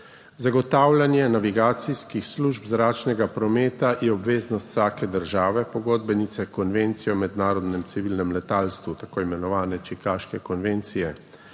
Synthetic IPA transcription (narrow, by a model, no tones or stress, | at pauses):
zaɡɔt̪aːwlʲanjɛnaʋiɡaːt̪siskixsluʒbzɾaːt͡ʃnɛɡapɾɔmeːt̪ajɛɔbʋeːznɔst̪saːkɛd̪əɾʒaːʋɛpɔɡoːd̪bɛnit̪sɛkɔnʋent̪sijɔmɛd̪naːɾɔd̪nɛmsiʋiːlnɛmlɛt̪aːlst̪ʋut̪akoːimɛnɔʋaːnɛt͡ʃikaːʃkɛkɔnʋent̪sijɛ